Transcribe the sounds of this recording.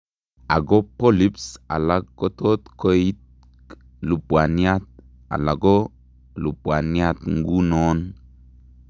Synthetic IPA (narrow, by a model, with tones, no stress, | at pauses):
a̰˨ɡo˦po˦li˦psa̰˨la˦kːo˦t̪o˦t̪ko˦i˦t̪̚ | k | lu˨bwa˨ni˦a˦t̪̚ | a̰˨la˨ɡo˦ | lu˨bwa˨ni˦a˦t̪ŋ̩˦ɡu˦no˦n